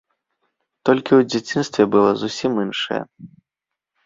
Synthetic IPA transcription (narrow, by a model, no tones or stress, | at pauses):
t̪ɔlʲkʲiwd͡zʲat͡sʲinst̪vʲɛbɨlˠɔzusʲiminʂɐ̰jɐ̰